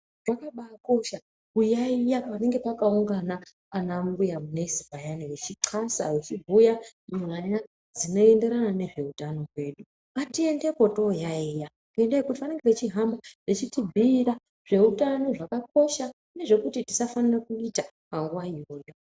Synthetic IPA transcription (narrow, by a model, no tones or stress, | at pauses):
ʐakaɓaːko̞ʃa | ujaijapane̞ŋɡe̞pakauŋɡanaː | nambujamunezibajaniwet͡ʃiǀʰasa̰wet͡ʃibʱujamuɦaja | d͡zino̞e̞nde̞ɾanane̞ʐe̞utano̞kwe̞ːɗu | atie̞nde̞ko̞to̞jaija | kendeekutipane̞ŋɡepet͡ʃiɦambaʐet͡ʃitibʱiːra | ʐ̥e̞ɦutano̞ʐakak̚o̞ʃa | ne̞ʐe̞kutiti̥safanirakuita | maŋɡuwaioːjo̞